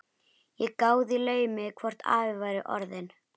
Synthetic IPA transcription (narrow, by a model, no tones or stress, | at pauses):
jɛɣkaːwðɪlœːɥmɪkʰvɔr̥t̪a̰ːvɪvaːjɾɪʔɔ̰ɾðɪn